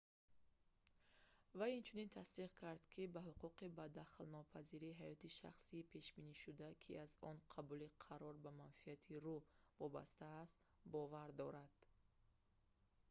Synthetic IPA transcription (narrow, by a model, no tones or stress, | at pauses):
vajint͡ʃʰunint̪ʰast̪iʁkʰaɾd̪kʰibaɦuquqibad̪aχlnɔpʰaziɾiɦajɔt̪iʃa̰χsiːpʰe̞ʃbiniʃud̪akʰḭʔazɔnqʰabuliqʰaɾɔɾbamanfiat̪ʰiɾuvɔba̰st̪aːst̪ | bɔvaɾd̪ɔɾad̪̥